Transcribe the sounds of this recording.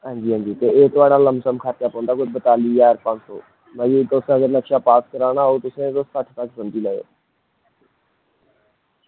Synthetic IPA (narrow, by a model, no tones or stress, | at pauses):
ɦãːɲd͡ʒiːɦãːɲd͡ʒiːt̪eːeːt̪ʊaːɽaːləmsəmkʰaːt̪jaːpɔ̃ːnd̪aːkʊd͡ʒbət̪aːliːaːɾpãnso̰ː | məd͡ʒiːt̪osẽəɡəɾnəkʃaːpaːskəɾaːnaːɦoːt̪ʊsẽːt̪osəʈʰt̪aksənd͡ʒ̪iːləːo̰ː